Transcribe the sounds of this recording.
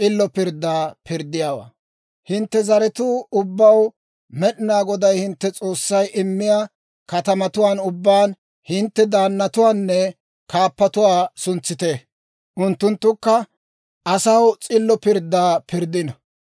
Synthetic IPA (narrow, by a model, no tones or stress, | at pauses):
t͡sʼɪlːɔpɪɾd̪ːaːpɪɾd̪ːɪjaːwa̰ː | hɪnt̪ːɛzɐɾɛt̪ʊːʊbːɐw | mɛɗɪnaːɡɔd̪ɐjhɪnt̪ːɛt͡sʼo̞ːsːɐjʔɪmːɪjaː | kɐt̪ɐmɐt̪ʊwaːnʊbːaːn | hɪnt̪ːɛd̪aːnːɐt̪ʊwaːnːɛ | kaːpːɐt̪ʊwaːsʊnt͡sːɪt̪e | ʔʊnt̪ːʊnt̪ːʊkːɐ | ʔɐsɐwt͡sʼɪlːɔpɪɾd̪ːaːpɪɾd̪ɪnɐ